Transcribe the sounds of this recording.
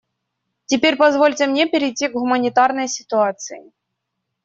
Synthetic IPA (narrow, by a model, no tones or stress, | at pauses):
tʲɪpʲeɾʲpɐzvolʲtʲɪmnʲepʲɪɾʲɪjtʲːiɡɣʊmənʲɪt̪arnəjsʲɪt̪ʊat̪sɨjɪ̰